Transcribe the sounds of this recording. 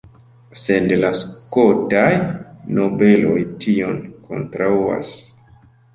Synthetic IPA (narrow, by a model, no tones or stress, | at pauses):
sedlaskotajno̞be̞lo̰jtʰio̞nkʰo̞̰ntɾaua̰s